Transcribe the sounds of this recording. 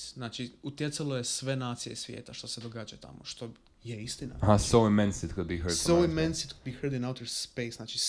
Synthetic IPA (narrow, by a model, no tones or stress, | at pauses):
znaːt͡ʃiut̪je̞t̪salo̞je̞sʋe̞naːt̪sije̞̰sʋʲjḛːt̪aʃt̪o̞se̞d̪o̞ɡaːd͡ʒajut̪ʰa̰moʃt̪o̞ | jeist̪ina̰ɦasoʊɪmɛ̃nsɪt̪kʊd̪̚biɦəoimẽnsɪt̪kud̪̚bihəɾd̪ĩnawt̪ɛɾspeɪsnaːt͡ʃi